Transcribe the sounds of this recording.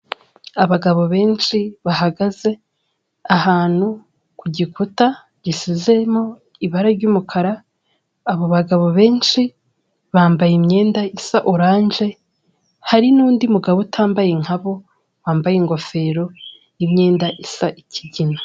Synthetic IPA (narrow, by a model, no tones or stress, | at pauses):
aβaɡaβo̞βe̞ːnʃiβaɦaɡaze̞ | aɦaːn̥hu | kuɟikuta | ɟ̥isize̞mo̞ | iβaɾaɾɟuːmukʰaɾaː | βoβaɡaβo̞βe̞ːnʃi | βaːmbajimɲe̞ːndaisaʔoɾaːnʒe̞ | haɾinuːndimuɡaβotʰaːmbajeŋ̥haβo̞ | waːmbajeŋɡo̞fe̞ːɾo̞ | imɲe̞ːndaʔisaʔicʰiɟina